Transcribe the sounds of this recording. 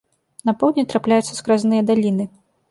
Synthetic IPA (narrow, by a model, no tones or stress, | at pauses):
nɐpɔwd̪ʲnʲit̪ɾaplʲajut̪sːɐskɾaznɨjɐd̪alʲinɨ